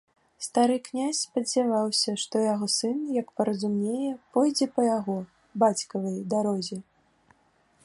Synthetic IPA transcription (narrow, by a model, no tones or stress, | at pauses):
st̪aɾɨknʲasʲspɐd͡zʲavawsʲɐʂt̪ɔjaɣɔsɨnjɐkpɐɾɐzumnʲejɛpɔjd͡zʲɛpɐjaɣɔ | bat͡sʲkɐvɐjd̪aɾɔzʲɛ